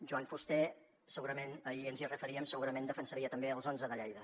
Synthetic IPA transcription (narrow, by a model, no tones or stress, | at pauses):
ʒuwaɱfust̪ɛ | səɣuɾəmenəiənzirəfəɾiəmsəɣuɾəmend̪əfənsəɾiət̪əmbeəlˠzonzəðəʎɛjðə